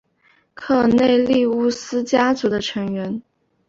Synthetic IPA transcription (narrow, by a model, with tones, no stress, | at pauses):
kʰɤ˥˩ne˥˧ɪli˥˧u˥˩sɹ̩˥t͡ɕja˥t͡su˧˥d̪ə˧ʈ͡ʂʰɤ˧˥ŋɥɛ˧˥n